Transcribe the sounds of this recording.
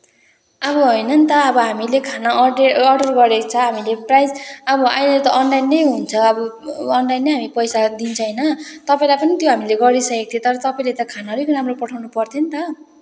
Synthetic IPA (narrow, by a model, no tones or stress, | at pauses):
ʌbʌɦʌjnʌnt̪ʌʌbʌɦamilekʰanaeʌrɖʌrɡʌɾekt͡sʰʌɦamileprajd͡zʌbʌajnet̪ʌʔʌnlajnːʌjɦunt͡sʰʌʌbʌʌnlajnːeɦamipʌjsad̪int͡sʰʌjnʌt̪ʌpaĩlajpʌnit̪joɦamileɡʌɾisʌkek̚t̪ʰiot̪ʌɾʌt̪ʌpaĩlet̪ʌkʰanaɾujkuɾamropʌʈʰawnupʌrt̪ʰent̪ʌ